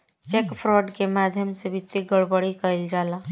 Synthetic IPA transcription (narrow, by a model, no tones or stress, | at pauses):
t͡ʃeːkpʰɾɔːɖkemaːd̪ʱjəmsebʱɪt̪ːiɡəɽbəɽikɐɪld͡ʒaːlaː